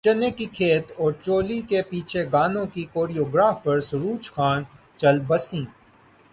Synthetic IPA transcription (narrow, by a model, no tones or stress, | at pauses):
t͡ʃɐnekikʰeːt̪ɔːɾt͡ʃoːlikepiːt͡ʃʰeɡaːnõkikoːɾijoːɡɾaːfəɾsɾuːt͡ʃxaːn | t͡ʃɐlbɐsĩː